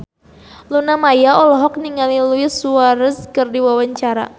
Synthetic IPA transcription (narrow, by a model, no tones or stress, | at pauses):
lunamajaɔlɔɦɔk̚niŋaliluɪsuaɾəskɨrdiwawaɲt͡ʃaɾa̰